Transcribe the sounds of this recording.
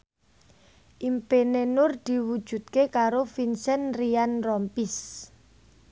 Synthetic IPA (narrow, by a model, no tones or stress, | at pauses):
ʔimpenenʊrd̪̥i̤wud̥ʒ̥ṳt̪̚kekaɾofinsɛnrianrɔmpis